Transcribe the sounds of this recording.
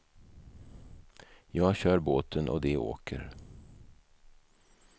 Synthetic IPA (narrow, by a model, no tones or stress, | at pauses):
jɑːɡɕœːɾboːt̪ʰənʔɔ̰d̪ɛo̰ːkʰə̰ɾ